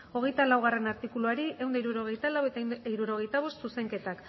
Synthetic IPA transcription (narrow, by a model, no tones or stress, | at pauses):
o̞ɣ̞e̞jt̪alawɣare̞naɾt̪ikuluaɾie̞wnd̪aiɾuɾoɣejt̪alawet̪iɾuɾo̞ɣ̞e̞jt̪aβ̞o̞st̪suse̞ŋke̞t̪ak